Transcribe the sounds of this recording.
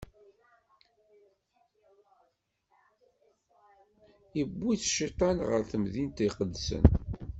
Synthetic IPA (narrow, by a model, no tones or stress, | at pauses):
ibːiθʃit̪ˤɑnʁə̰ɾθəmðint̪iqəd̪ːsə̰n